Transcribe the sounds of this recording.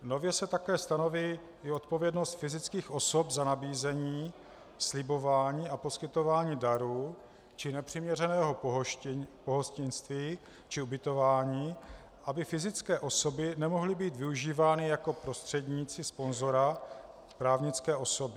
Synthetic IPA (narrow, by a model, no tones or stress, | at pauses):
no̞vjɛsɛt̪akɛːst̪ano̞viː | ɪo̞t̪po̞vjɛdno̞st̪fɪzɪt͡skiːxʔo̞sopzanabiːzɛɲiː | slɪbo̞vaːɲiːapo̞skɪt̪o̞vaːɲiːdaɾuː | t͡ʃɪnɛpr̝̥ɪmɲɛrɛnɛːɦo̞ɦpoɦoscɪnst̪viː | t͡ʃɪubɪt̪o̞vaːɲiː | ʔabɪfɪzɪt͡skɛːʔo̞so̞bɪnɛmo̞ɦlɪbiːt̪vɪuʒiːvaːnɪjako̞pɾo̞st̪r̥ɛdɲiːt͡sɪspo̞nzo̞ɾa | pɾaːvɲɪt͡skɛːʔo̞so̞bɪ